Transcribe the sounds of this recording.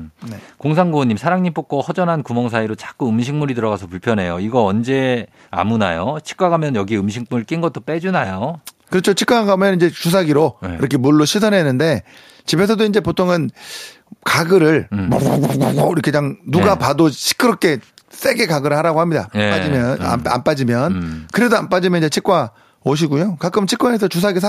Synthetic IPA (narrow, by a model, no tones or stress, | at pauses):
nekoŋs̬ʰaŋɡuɲːimsʰaɾaŋɲimp͈ʰok͈ohʌd͡ʑʌnɦankumʌŋs̬ʰaiɾot͡ɕ͈ḁk͈uɯmɕʰiŋmuɾidɯɾʌɡasʰʌpuɭpʰjʌnɦe̞joiɡʌʌnd͡ʑe̞ | a̰muna̰jot͡ɕʰi̥k͈aɡamjʌnjʌɡiɯmɕʰiŋp͈uɾɯɭk͈inɡʌt͈op͈ed͡ʑunajo | kɯɾʌt͡ɕʰot͡ɕʰik͈waɡaɡamjʌnind͡ʑesʰus̬ʰaɡiɾoeiɾʌkʰe̞muɭːoɕʰis̬ʰʌnɦenɯnde̞ | t͡ɕibe̞sʰʌdoind͡ʑe̞potʰoŋɯn | kaɡɯɾɯɭb̰ɡɾkʰeɲaŋnuɡapadoɕʰi̥kʰɯɾʌk͈ʰe̞s͈e̞ɡekaɡɯɾɯɭhaɾaɡohamɲida̰pad͡ʑimjʌa̰a̰np͈ad͡ʑimjʌnkɯɾe̞doanp͈ad͡ʑimjʌniɲd͡ʑe̞t͡ɕʰik͈wa | oɕ̬ʰiɡujokak͈ɯmt͡ɕʰik͈wae̞sʰʌt͡ɕusʰaɡis̬ʰ